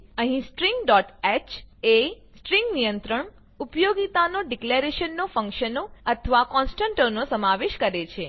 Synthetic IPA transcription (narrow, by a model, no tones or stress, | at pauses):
əɦĩsʈɾiŋɡɖɔʈɛt͡ʃe | sʈɾiŋɡnijənt̪ɾəɳ | upjoɡit̪anoɖikleɾeʃənːofə̃ŋkʃənoət̪ʰəʋakɔnsʈə̃ɳʈəɾnosəmaʋeʃkəɾet͡ʃʰe